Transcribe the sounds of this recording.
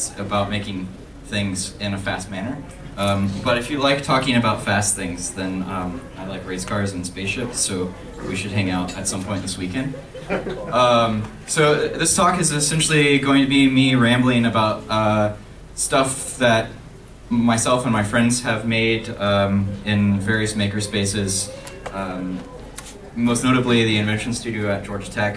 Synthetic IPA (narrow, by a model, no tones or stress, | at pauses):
sɨbaʊt̚meɪkɪ̃ŋ | θɪ̃ŋzɪ̃nɨfæst̚mænə˞ | ʌ̃mb̥ʌɾɨfjɨlaɪk̚tʰɔkɪ̃ŋɨbaʊtfæst̪̚θɪ̃ŋzðɨ̃nʌ̃maɪlaɪkɹeɪz̥kʰɑɹdz̃n̩speɪsʃɪpsoʊ | wḭʃɨd̚ɦæ̃ŋaʊɾɨtsʌ̃mpʰɔ̃ɪ̃nðɪswikɛ̃nd̥ | ʌ̃m | soʊðɪstʰɔkɨzɨsɛ̃nʃl̩ˠiɡoʊɪ̃ŋtʰɨbimiɹæ̃mbl̩ˠɪ̃ŋɨbaʊt̚ʌ | stʌfðɨt̚ | maɪsɛlˠfə̃nmaɪfɹɛ̃ndz̥ɨvmeɪɾʌɪ̃nvɛɹiɨsmeɪkə˞speɪsɪz̥ | ʌ | moʊsnoʊɾɨbliðiɨ̃nvɛ̃nʃn̩stʉɾioʊɨt̚d̥ʒ̥ɔɹd͡ʒtʰɛk